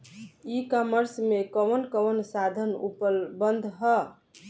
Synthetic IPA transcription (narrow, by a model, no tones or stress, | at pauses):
ikaməɾsmekəʋənkəʋənsad̪ʱənṵpəlbənd̪ʱɦə